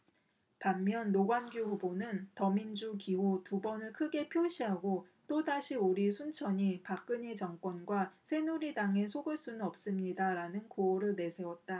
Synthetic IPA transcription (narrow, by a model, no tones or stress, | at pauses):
pamːjʌnːoɡwanɡjuɸubonɯntʌmind͡ʑukiɦotubʌnɯɭkʰɯɡe̞pʰjoɕʰiɦaɡot͈odaɕʰioɾisʰunt͡ɕʰʌɲipak͈ɯɲet͡ɕʌŋk͈wʌnɡwasʰe̞nuɾidaŋe̞sʰoɡɯɭs͈unɯnʌp̚s͈ɯmɲidaɾanɯnkoːɾɯɭne̞sʰe̞wʌt̚t͈a